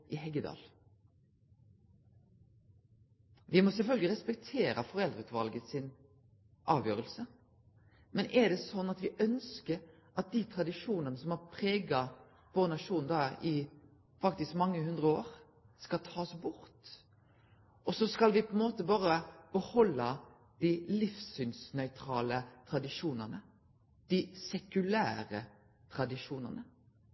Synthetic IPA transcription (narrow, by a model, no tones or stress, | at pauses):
ʔɪɦɛɡəd̪ɑ̰ːl | ʋɪmɔsɛlfœlɡlɪʁɛspɛk̚t̪ʰeːɾəfɔʁɛld̪ɾəʉːt̪ʋɑlɡəsɪn | ʔɑːʋjøːɾəlsə | mɛnʔɛd̪ɛsɔnːɑt̪ʋɪʔœnskəɾʔɑt̪̚d̪it̪ʰɾɑd̪ɪʃuːnənəsɔmɑpʰʁeːɡɑ | ʋoːʁnɑʂuːnd̪ɑːɪ | fɑkt̪ɪskmɑŋːəɦhʉnd̪ɾəoːʁ | skɑlt̪ʰɑːsbʊɾt̪ | ʔɔsɔskɑlʋɪpʰɔɛnmoːt̪əbɑːɾəb̥əhɔlːɑ | d̪̥ɪlɪfsʏnsnœʏt̪ʰɾɑːlət̪ʰɾɑd̪ɪʂuːnənə | d̪̥ɪsɛkʉlæ̰ːɾə̰ | t̪ʰʁɾɑd̪ɪʂuːnə̰nə